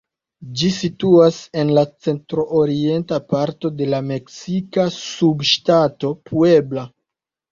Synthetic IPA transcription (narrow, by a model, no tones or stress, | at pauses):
d͡ʒisituase̞nlat͡se̞ntɾo̞ʔoɾie̞ntapaɾto̞de̞lame̞ksikasubʃtato̞pʰue̞bla